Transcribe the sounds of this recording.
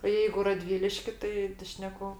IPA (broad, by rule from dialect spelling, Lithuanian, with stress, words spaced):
oː jɛɪɡʊ rɐˈdʲʋʲiːlʲɪʃʲkʲɪ ˈtɐɪ tɐɪ ˈʃʲnʲæːkʊ